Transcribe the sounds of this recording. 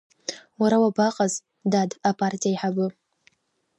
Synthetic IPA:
waɾawabaqʼaz | dadapʰartʰijaiħabɨ

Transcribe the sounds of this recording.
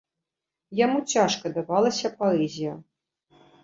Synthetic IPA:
jamut͡sʲaʂkɐd̪avalˠɐsʲɐpɔɛzʲijɐ

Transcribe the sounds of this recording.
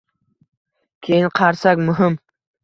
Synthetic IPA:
kʲʰe̞jɪnqʰɑɾsakʲmʊɦɪm

